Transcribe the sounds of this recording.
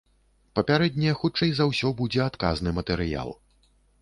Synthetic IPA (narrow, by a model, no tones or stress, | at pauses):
pɐpʲaɾɛd̪ʲnʲɛjɛxutt͡ʂɐjzawsʲɔbud͡zʲɛat̪ka̰znɨmɐt̪ɛɾɨja̰lˠ